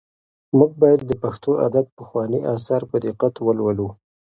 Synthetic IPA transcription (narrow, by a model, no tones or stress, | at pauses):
muɡ̚bɑjad̪ːəpaxt̪oa̰d̪ad̪̚pəxwɑniʔɑs̬ɑɾpəd̪iqat̪wəlwəlu